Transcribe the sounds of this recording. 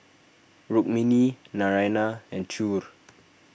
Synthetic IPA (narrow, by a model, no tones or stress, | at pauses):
ɹuk̚mĩninaɹajnaɛ̃ntʰuɹ